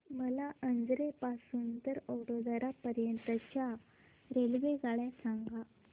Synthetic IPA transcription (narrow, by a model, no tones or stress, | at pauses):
məlaʔənd͡zɾepasuːnt̪əɾəwɽod̪aɾapəɾjənt̪ət͡ɕja | ɾelʋeɡaɭjasaŋɡa